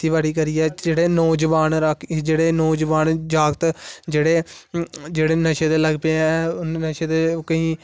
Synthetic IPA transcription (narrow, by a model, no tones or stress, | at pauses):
t̪iːʋaːɽiːkəɾiːɛːd͡ʒeːɽeːnɔːd͡ʒəʋaːnɾəkʰd͡ʒeːɽeːnɔːd͡ʒʋaːnd͡ʒaːɡt̪d͡ʒeːɽeː | d͡ʒeːɽeːnəʃeːt̪eːləɡpeɛːnəʃeːt̪eːkəĩː